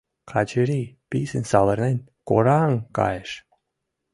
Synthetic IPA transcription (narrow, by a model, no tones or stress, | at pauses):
qʰɑt͡ɕəɾipisənsɑlə̆rnenʲkoɾɑŋkɑ̰jəʃ